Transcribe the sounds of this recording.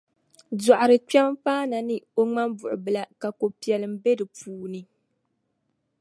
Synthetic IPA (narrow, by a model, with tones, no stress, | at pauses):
dɔ˨ʔa˨ɾɨ˨k͡pɛ˦mpaː˦na˨nɨ˦o˦ŋ͡ma˦mbʊ˨ʔʊ˨bɨ˨la˨ka˨ko˨pi˨ɛ˨lɨ˨m̩˦bɛ˦dɨ˨puː˨˦nɨ˨